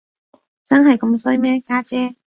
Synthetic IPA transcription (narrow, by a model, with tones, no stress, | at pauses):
t͡sɐ˥nɦɐ˨jkɐ˧˥msɵ˥jmɛː˥kaː˥t͡sɛː˥